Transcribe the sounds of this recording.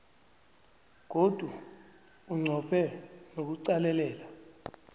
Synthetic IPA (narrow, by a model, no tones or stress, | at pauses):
k̬od̥ʱwa | uŋ͡ǀʱɔpʰɛnok̬uǀalɛlɛːla